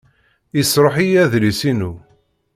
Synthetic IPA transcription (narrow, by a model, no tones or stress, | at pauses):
isɾˤəħijæðlisinu